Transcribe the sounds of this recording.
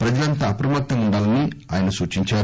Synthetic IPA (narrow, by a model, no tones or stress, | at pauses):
pɾɐd͡ʒɐlɐnt̪ɐːpɾɐmɐt̪ːɐmuɳɖaːlɐniaːjɐnɐsuːt͡ʃiɲt͡ʃaːɾu